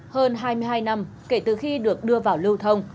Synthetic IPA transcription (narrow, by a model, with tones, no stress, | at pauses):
həː˧nɦaː˧jmɨ˧jɦaː˧jna˧m | ke˧˩t̪ɨ˨˩xi˧ɗɨ˨˩ək̚ɗɨ˧əvaː˨˩wlɨ˧wt̪ʰə˧wŋ͡m